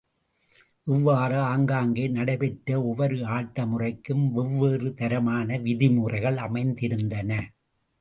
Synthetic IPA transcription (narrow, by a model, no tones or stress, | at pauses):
ʔɪʋːaːrɯaːŋɡaːŋɡeːnɐɽɐɪpɛʈɾɐɔʋɐɾɯaːʈːɐmʊrɐɪkːɯmʋɛʋːeːrɯt̪ɐɾɐmaːnɐʋɪðɪmuːrɐɪɣɐɭɐmɐɪnd̪ɪɾɯnd̪ɐnɐ